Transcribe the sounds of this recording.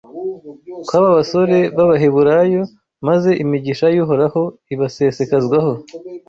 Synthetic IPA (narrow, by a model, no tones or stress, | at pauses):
kwaβaβaso̞ɾe̞βaβaɦeβuɾajo̞ | maze̞ʔimiɟiʃajuɦo̞ɾaho̞iβase̞se̞kazɡwaho̞